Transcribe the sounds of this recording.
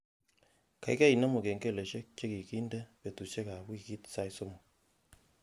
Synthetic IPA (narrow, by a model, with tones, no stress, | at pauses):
ka̰˨i˦ka˦i˨na˦mo˨ke˨ŋɡe˦˨le˨ʃe˦k̚t͡ʃe˦ki˨ki˦ndɛ˦pe˨tu˨ʃɛ˦ka˨βwi˦˨ki˦tsa˦i˦so˦mo˨